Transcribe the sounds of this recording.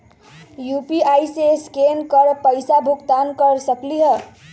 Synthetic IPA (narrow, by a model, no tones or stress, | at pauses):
jupiajseskenkəɾpəjsabʱukt̪ankəɾsəkliɦə